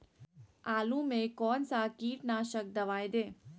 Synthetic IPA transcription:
aːlũmẽkɔːnsakiːʈnaːʃək̚d̪əʋaːjd̪eː

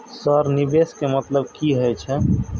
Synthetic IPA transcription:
səɾnibeskemət̪ləbkiɦəjt͡ʃʰɛ

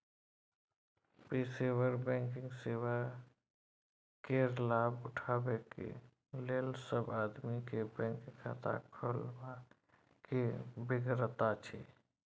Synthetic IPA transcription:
pisewəɾbɛ̃ŋkɪ̃ŋɡsewa | kelaːbʊʈʰaːbekḛ | leːlsəbaːd̪mikebɛ̃ŋkkʰa̰t̪ʰa̰kʰəlma | kebɪɡɾət̪at͡ʃʰḛ

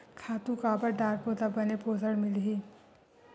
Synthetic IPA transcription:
kʰaːt̪ũkabəɾɖaːɾpoːt̪abɐnepoːzəɽmɪlɦiː

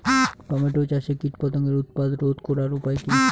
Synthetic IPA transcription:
kɔmeʈot͡ɕaʃekiʈpɔt̪oŋeɾut̪̚pad̪ɾod̪koɾaɾupaekin

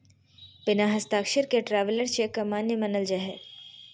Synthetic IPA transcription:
pɪnaːɦɐst̪aːkʃəɾkeʈɾaːʋələɾt͡ʃekːamaːnjəmɐnəld͡ʒaɦɛ

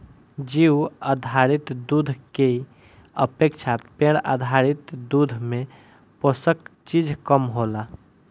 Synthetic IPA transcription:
d͡ʒiuəd̪ʱaɾit̪d̪ud̪ʱke | ə̰pekt͡ʃʰapeɽ̃ad̪ʱaɾit̪d̪ud̪ʱme | posəkt͡ʃid͡ʒʱkəmɦola

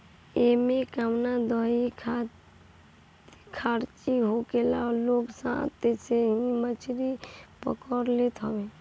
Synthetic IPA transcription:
emekamnad̪ɔikʰ | kʰaɾt͡ʃiɦokelaloksã̰t̪eseɦĩmət͡ʃʰɾipə̰kəɾlet̪ɦɔbe

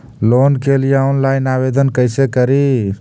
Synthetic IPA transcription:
lonkelijaunlajnabed̪ənkəjsekəɾi

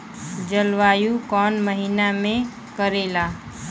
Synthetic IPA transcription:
d͡ʒəlʋaːjukɔːnməɦinamẽ | kəɾela

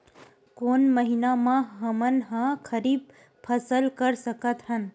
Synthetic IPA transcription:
koːnməɦinamãɦəmənɦãkʰəɾiːb̚ | pʰəsəlkəɾsəkət̪ɦən

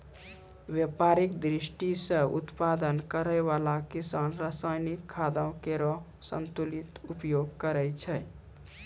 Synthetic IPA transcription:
bjəpaɾikd̪ɾisʈisə̃ṵt̪pad̪ənkəɾəjβalakisanɾəsajnikʰːad̪əʊ̃keɾɔ | sə̰nt̪ulit̪upjoɡkəɾəjt͡ʃʰəj

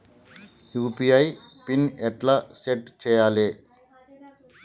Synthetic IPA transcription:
juːpijɐjpinɛʈlaseʈt͡ʃɛːjaːleː

